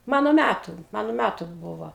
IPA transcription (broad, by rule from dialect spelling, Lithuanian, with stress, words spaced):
ˈmɑːnoː ˈmʲætʊ ˈmɑːnoː ˈmʲætʊ ˈbuːʋoː